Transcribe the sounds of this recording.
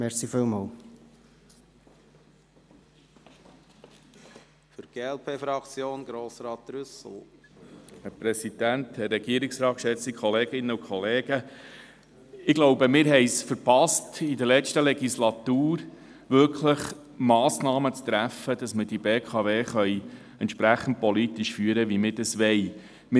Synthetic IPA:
mɛɾsifɪːlmɑːl | fʏɾɡ̥eːɛlpʰeːfɾɑkt͡sjoːnɡɾoːsɾɑːt̪ɾʏsl̩ | hæɾpɾɛsid̥̪ænt̪hɛrːɛɡiəɾɪksɾɑːtkʃɛt͡sikχɔleːɡɪnːəukʰχɔleːɡ̥ə | ɪɡ̥loʊbəmɪːɾɦɛɪsfəɾpɑstid̪əɾlɛstəlɛɡislɑt̪uːɾ | ʋʏɾkʰləχ | mɑːsnɑːmət͡st̪ɾæfːəd̪̥ɑsməd̥ibeːkʰɑveːχœʏ | ɛntt͡ʃʃpɾæχːən̩dt̚pɔlit̪iʃfyːəɾəʋimɪdɑsʋɛɪ | mɪ

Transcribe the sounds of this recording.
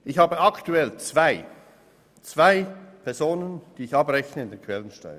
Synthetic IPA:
ʔɪçhaːbəaktuɛlt͡sv̥aɪ | t͡sv̥aɪpʰɛɐzoːnənd̥iːɪçɑbʁɛçnəɪndeːnkʰv̥ɛlənʃta̰ɪ

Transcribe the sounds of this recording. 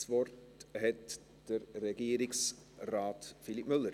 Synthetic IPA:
svɔrt | hɛt | d̥əɾːɛɡ̥iəɾɪks | raːtfilipmʏlːəɾ

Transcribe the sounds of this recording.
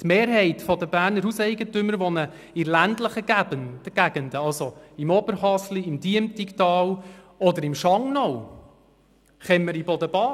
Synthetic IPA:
t̪meːɾɦɛɪtfɔd̪əbæːɾnəɾhusɛɪɡətʏmːəɾʋɔnə | ɪlændləχəɡæbənd̥əɡ̥æɡənd̪əɑlsoɪmɔbəɾhɑsliɪmdiəmt̪ikt̪ɑːl | ɔd̪əɾɪmʃɑŋnɔw | χɛmːəɾibɔdəbɑː

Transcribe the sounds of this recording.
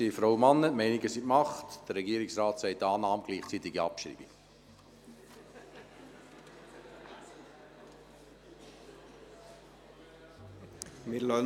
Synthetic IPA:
ifɾawmɑnːətmɛɪniɡəsitmɑχtd̥əɾːɛɡiːɾiksrɑːtsɛɪtːɑːnɑːmɡ̥liːχt͡sit̪iɡiɑpʃɾḭːbi | mɪlœ

